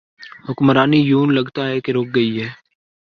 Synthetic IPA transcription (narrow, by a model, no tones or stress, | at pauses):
hʊkmɾaːniːjuːnləɡt̪aːɦɛːkeɾoːk̚ɡəiːɦɛː